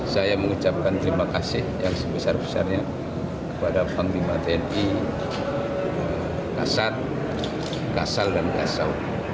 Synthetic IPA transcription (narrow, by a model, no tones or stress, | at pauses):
sajaməŋut͡ʃap̚kant̪əɾimakasɪhjaŋsəbəsarbəsa̰rɲa | kəpadapaŋlimat̪eɛni | ə | ka̰sat̪̚ | kasaldanka̰sa̰w